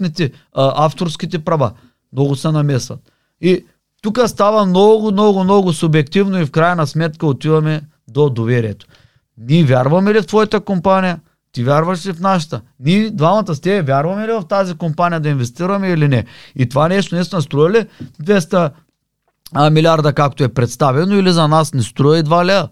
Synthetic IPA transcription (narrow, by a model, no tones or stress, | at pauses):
nit̪i | aft̪oɾskʲit̪̬ɛpɾɐva̰ | mnɔɡʊsɛnɐmɛsvɐ̰t̪̚ | i | t̪ukɐst̪avɐmnɔɡʊmnɔɡʊmnɔɡʊsʊbjɛkt̪ivnoifkɾajɐnɐsmɛt̪kəot̪ivɐmɛ | d̪od̪ovɛɾijɛt̪o̥ | nivʲjaɾvɐmɛlift̪vɔjat̪ɐkompanijɐ | t̪ivʲjaɾvɐʃlifnaʃat̪ənid̪vamɐt̪ɐst̪ɛbɛvʲjaɾvɐmɛlivɐft̪azikompanijɐd̪ɐinvɛst̪iɾɐmɛilinɛit̪ovanɛʃt̪onɛsnɛst̪ɾɔjɐlid̪vɛst̪ɐ | milʲiaɾd̪ɐkakt̪oɛpɾɛt̪st̪avɛnoilizɐnasnɛst̪ɾɔjid̪valɛ